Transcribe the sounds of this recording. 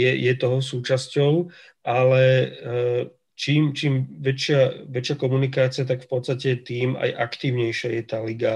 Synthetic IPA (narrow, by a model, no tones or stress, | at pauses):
jɛjɛt̪ɔɦɔs̬uːt͡ʃascɔʊ | ʔalɛ | t͡ʃiːmt͡ʃiːmʋɛt͡ʃɪaʋɛt͡ʃɪakɔmunikaːt͡siɪat̪̬akfpɔt̪st̪acɛt̪iːma̰jʔakt̪iːʊɲɛjʃɪajɛt̪aːliɡa